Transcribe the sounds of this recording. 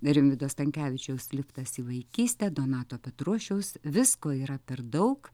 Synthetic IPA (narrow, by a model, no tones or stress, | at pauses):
ɾʲɪmʲʋʲɪd̪oːst̪ɐŋʲkʲæːʋʲɪt͡ʃʲɛʊsʲlʲɪpt̪ɐsiːʋɐɪkʲiːsʲt̪ʲɛːd̪oːnɑːt̪oːpʲɛt̪ɾuɔʃʲɛʊsʋʲɪskoːiːɾɐpʲɛɾd̪ɐʊk